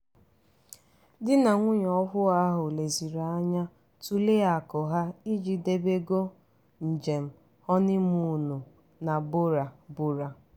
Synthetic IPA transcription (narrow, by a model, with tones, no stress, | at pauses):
dɪ˦na˨ŋʷʊ˦ɲ˨ɔ˦ɦʊ˦a˦ɦʊ˨le˨zi˨ɾa˨a˦ɲa˦ | tu˦le˦a˨kɔ˨ɦa˦i˦d͡ʒi˨de˦be˦ɡo˦ | n̩˨d͡ʒe˨m̩˨ | hɔ˦nɪ˦mu˦nu˨ | na˨bʊ˦ɾa˨bʊ˨ɾa˨